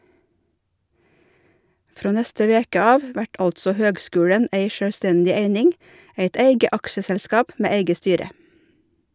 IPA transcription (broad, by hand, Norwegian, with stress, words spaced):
ˈfɾoː ˈnɛstə ˈʋeːkə ˈɑːʋ ˈʋæʈ ˈɑltsɔ ˈhøːɡˌskʉːɽən ˈeɪ ʃœɽˈstɛndɪ ˈeɪnɪŋ ˈeɪt ˈeɪɡə ˈɑkʃəsɛlˌskɑːp ˈmeː ˈeɪɡə ˈstyːɾə